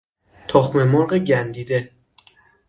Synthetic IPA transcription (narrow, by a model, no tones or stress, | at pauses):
t̪ʰɒxmemɒːɣeɟænd̪iːd̪e